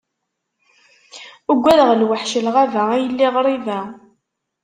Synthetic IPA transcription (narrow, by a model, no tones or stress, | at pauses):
uɡʷːæɾəʁlwəħʃəlʁævææjəlːiʁɾˤivæ